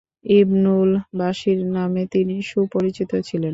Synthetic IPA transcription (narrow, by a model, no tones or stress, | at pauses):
ibnulbaʃiɾnamet̪iniʃupoɾit͡ɕit̪ot͡ɕʰilen